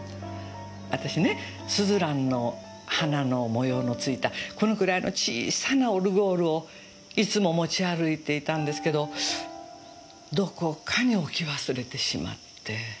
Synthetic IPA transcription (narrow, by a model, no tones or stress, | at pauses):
βat̪aɕine̞ | sɨzɨɾãnːo̞ | hanano̞mo̞jo̞ːno̞t͡sɨit̪ako̞no̞kɯ̟ɾaino̞̰t͡ɕḭːsanaoɾɯ̟ɡo̞ːɾɯ̟o̞ | it͡sɨmo̞mo̞t͡ɕiaɾɯ̟it̪e̞it̪ãnd̪e̞sɨ̥ke̞d̪o̞ | d̪o̞ko̞kʰaɲ̟iokʲiβasɨɾe̞t̪e̞ɕima̰t̪ʰːe̞